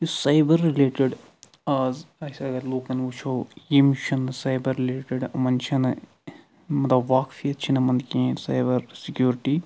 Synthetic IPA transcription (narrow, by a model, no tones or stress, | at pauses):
jusaːjbəɾːileːʈɪɖ | aːzɐsɐɡɐloːkɐnʋut͡ʃʰoːjemiʃɐnsaːjbɐɾːileːʈɪɖɐmɐnt͡ʃʰɐn | mɐt̪lɐbʋaːkfiɐt̪̚t͡ʃʰinɐmɐ̃nd̪kiẽsaːjbɐɾsɪkjuːɾʈiː